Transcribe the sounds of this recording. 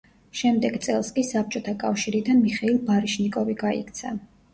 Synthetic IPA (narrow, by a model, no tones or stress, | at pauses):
ʃɛmd̪ɛɡt̪sʼɛlˠskʼisap̚ʰt͡ʃʼɔt̪ʰakʼafʃiɾid̪anmiχɛilˠbaɾiʃnikʼɔviɡaḭkʰt̪sʰa